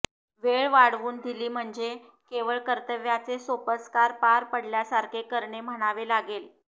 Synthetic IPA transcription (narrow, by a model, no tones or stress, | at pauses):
ʋeɭʋaɽʋuːnd̪iliːm̤əɳd͡ze | keʋəɭkəɾt̪əʋjat͡sesopəskaɾpaɾpəɽljasaɾkʰekəɾɳem̤əɽ̃aʋelaɡel